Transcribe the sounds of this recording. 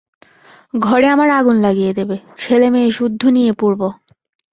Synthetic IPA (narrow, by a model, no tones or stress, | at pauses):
ɡʱɔɽeamaɾaɡunlaɡijed̪ebet͡ɕʰelemeːʃud̪ʱːunijepuɾbo